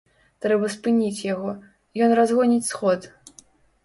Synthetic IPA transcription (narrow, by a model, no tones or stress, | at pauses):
t̪ɾɛbɐspɨnʲit͡sʲjaɣɔ | jɔnrazɣɔnʲit͡sʲsxɔt̪